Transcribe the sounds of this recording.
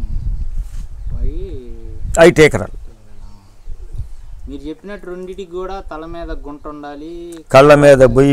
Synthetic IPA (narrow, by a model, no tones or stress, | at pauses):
ɐjʈeːkɐɾɐ̰ːl | miːɾut͡ʃepːinɐʈːɾoɳɖiʈiɡuːɽaːt̪ɐlɐmiːd̪ɐɡuɳʈuɳɖaːlikɐlːɐmeːd̪ɐboj